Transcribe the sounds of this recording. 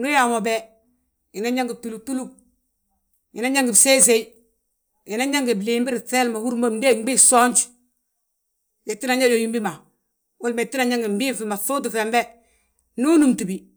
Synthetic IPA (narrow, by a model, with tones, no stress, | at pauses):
nɡu˦ja˨mo˨bɛ˦ | ɪ˨na˦ɲa˦ŋɡi˨tu˨lu˨tu˦lu˦ | i˨na˦ɲa˦ŋɡɪ˨bse˦ze˦i˦ | i˨na˦ɲa˦ŋɡi˨bli˨mbi˦ɾi˨tɛ˦lma˨hu˦ɾmo˦m˦de˦˨ŋ͡mbi˦sɔ˦ɲt͡ʃ | jɛ˨tːi˦na˨ɲa˦jo˨ji˦mbi˦ma˨ | wu˦lme˨tːi˦na˨ɲa˦ŋɡi˨m̩˨bi˦fi˨ma˨θu˦du˨fɛ˨mbɛ˦ | nu˦nu˨mtu˨bi˨